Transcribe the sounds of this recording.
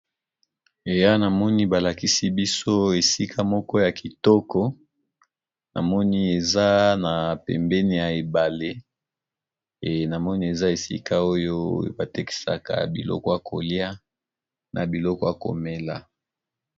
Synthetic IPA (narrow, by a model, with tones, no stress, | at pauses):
e˨ja˦na˨mɔ˦ni˦ba˨la˨ki˦si˦bi˦so˦e˨si˦kʰa˦mɔ˦kɔ˦ja˨ki˨tɔ˦kɔ˦ | na̰˨mɔ˦ni˦e˨za˦na˨pɛ̰˨mbɛ˦ni˦˨ja˨e˨ba˨le˦˨ | na˨mɔ˦ni˦e˨za˦e˨sḭ˦ka˦o˦jo˦ba˨te˦ki̥˨sa̰˨ka̰˨bi˨lɔ̰˦kɔ˦ja˨kʰo˨li˦a˦ | nʔa˨bi˨lɔ˦kɔ˦a˨ko̰˨me˦la˨